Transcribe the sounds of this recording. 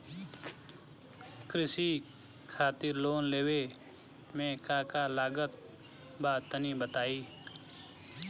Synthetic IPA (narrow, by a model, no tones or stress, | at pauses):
kɾɪsiː | kʰaːt̪ɪɾloːnleːwe | mẽːkaːkaːlaːɡət̪̚ | baːt̪ənibət̪aːiː